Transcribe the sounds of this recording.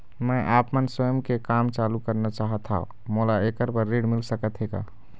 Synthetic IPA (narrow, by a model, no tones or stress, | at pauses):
mə̃ʔapmənsəjəmkekamt͡ʃalukəɾnat͡ʃaɦət̪ʰːaɦṵ̃ | molaekəɾpəɾːiɖmilsəkət̪ɦeɡa̰